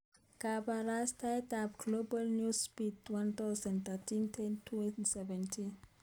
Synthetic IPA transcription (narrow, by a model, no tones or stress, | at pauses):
kabaɾastajtapɡ̥lobalnjuspitwãnt̪aʊsãndt̪atĩntʰɛntʰusɛvɛ̃ntʰĩn